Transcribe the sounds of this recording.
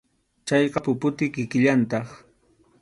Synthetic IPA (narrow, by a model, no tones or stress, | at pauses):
t͡ʃɑjɢɑpʊpʊt̪ɪkɪkɪʎant̪ɑχ